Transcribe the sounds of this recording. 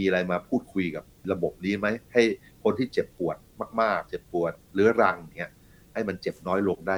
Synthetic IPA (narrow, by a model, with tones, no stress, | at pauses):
miː˧a˧ɾa˧jmaː˧pʰuː˥˩t̪̚kʰu˧jka˨˩p̚ɾa˧bo˨˩p̚niː˦˥ma˦˥jha˥˩j | kʰo˧nt̪ʰiː˥˩t͡ɕe˨˩pːu˨˩ət̪̚maː˥˩k̚maː˥˩k̚t͡ɕe˨˩pːu˨˩ət̪̚ɾɯ˦˥ɾa˧ŋ˨˩ŋːi˦˥ɐ | ha˥˩jma˧nt͡ɕe˨˩p̚nɔː˦˥jlo˧ŋdaː˥˩